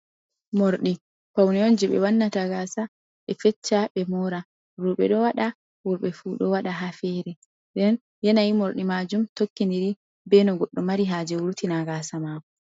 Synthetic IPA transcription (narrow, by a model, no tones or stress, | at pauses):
moɾɗi | pawniond͡ʒɛɓɛ̰wanːataɡaːsa | ɓɛfɛt͡ʃːaɓɛmɔɾa | ɾuːɓɛɗɔwaɗa | wuɾɓɛfuɗɔwaɗaɦafɛɾɛ | ɗɛn | jɛnajimoɾɗimad͡ʒumtokːindiɾi | bɛnɔɡɔɗːɔmaɾiɦaːd͡ʒɛwuɾtinaɡaːsamakɔ